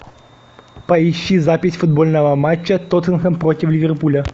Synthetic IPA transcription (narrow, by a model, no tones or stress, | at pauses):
pɐɪɕːizapʲɪsʲfʊd̪bolʲnəvəmat͡ɕːət̪ot̪ənxənpɾotʲɪflʲɪvʲerpulʲə